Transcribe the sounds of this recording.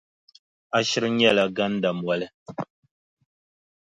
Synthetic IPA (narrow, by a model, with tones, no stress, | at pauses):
a˦ʃi˦ɾɲ˦ɛ˦˨la˨ɡa˦n̩˦da˨mwa˨lɛ˦˨